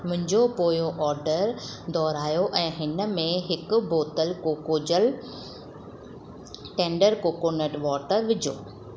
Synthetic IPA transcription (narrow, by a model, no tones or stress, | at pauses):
mʊ̃ɦɪ̃ɲd͡ʑopoːjoʔɔːɾɖəɾd̪ʱɔːɾaːjoʔɛ̃ːɦɪnə̆mẽɦɪkʊ̆boːt̪əlkoːkoːd͡ʑəl | ʈẽːɳɖəɾkoːkonəʈʋɔːʈəɾʋɪd͡ʑʱo̰ː